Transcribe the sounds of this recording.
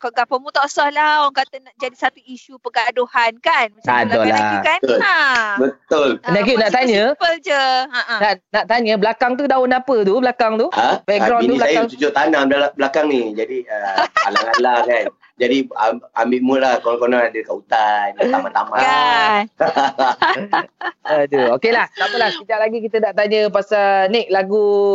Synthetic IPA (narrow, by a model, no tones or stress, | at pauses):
kɔɡapəmut̪ɔʔsɔhlawaŋkat̪ənaʔd͡ʒadisat̪uiʃupəɡadohankanmasadɔlakant̪bət̪ʊlnak̬iunaʔt̪aɲə̃əd͡ʒəaʔnanaʔt̪aɲəblakaŋt̪udawʊnapət̪ublakaŋt̪uəbɛkɡɡɾawnnt̪uiblasajaaŋt͡ʃud͡ʒʊʔt̪anablalabəlakaŋnid͡ʒadiəalaŋalakan | d͡ʒadiaa̰mbɪʔməlahkoŋkonaŋadəkaut̪anət̪amãt̪ama | əduokelaht̪aməlahsid͡ʒaʔlaɡikit̪ənaʔt̪aɲəpasanek̚laɡu